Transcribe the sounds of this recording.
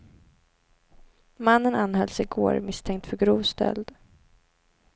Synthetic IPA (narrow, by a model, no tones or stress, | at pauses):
manːənanːhɛlsɪɡoːɾmɪst̪ʰɛŋk̚t̪fœɾɡɾuːvst̪ʰɛ̰ld̪